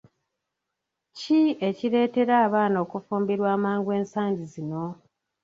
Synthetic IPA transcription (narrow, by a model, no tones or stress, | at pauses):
cie̞ciɾe̞ːte̞ɾaːβaːno̞kufuːmbiɾwaːmaːŋɡwe̞ːnsaːɲɟizino̞